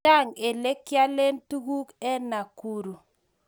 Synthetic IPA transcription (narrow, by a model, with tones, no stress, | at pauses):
a˦˨ŋe˨le˦kja˦le˦ntu˦ɡu˦kɛ˦na˨ku˦ɾu˨